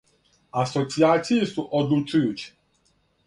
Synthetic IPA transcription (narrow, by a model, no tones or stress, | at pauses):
asot̪siaːt̪sijisuʔod̪lut͡ʃujuːt͡ɕi̥